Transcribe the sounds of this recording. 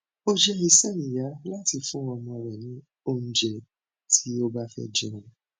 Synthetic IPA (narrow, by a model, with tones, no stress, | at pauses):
o˦d͡ʒɛ˧i˧sɛ˦nĩ˨ja˨˦la˦ti˧fũ˦ɔ̃˧mɔ̃˧ɾɛ˨nĩ˨˦ | o˦˨n̩˨d͡ʒɛ˨ | tʰi˦o˦ba˦fɛ̰˦d͡ʒɛ̃˧˨ɾũ˧